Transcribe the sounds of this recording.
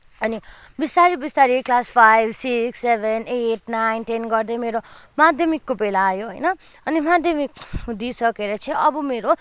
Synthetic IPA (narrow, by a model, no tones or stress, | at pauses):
ʌni | bist̪aɾibist̪aɾiklaspʰajbʱsiksebʱeneʈ̚najnʈenɡʌrd̪ʌjmeɾomad̪ʱjʌmikːobelaːjoɦʌjnʌ | ʌnimad̪ʱjʌmikd̪isʌkeɾʌt͡sʰʌ̃ʌbʌmeɾo